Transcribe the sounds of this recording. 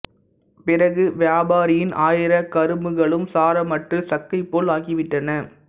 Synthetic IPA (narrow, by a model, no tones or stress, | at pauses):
pɪrɐɣɯʋjaːbaːɾɪjɪnʔaːjɪɾɐkɐɾɯmɯɣɐɭɯmsaːɾɐmɐʈrɯsɐkːɐɪpːoːlaːɣɪʋɪʈːɐnɐ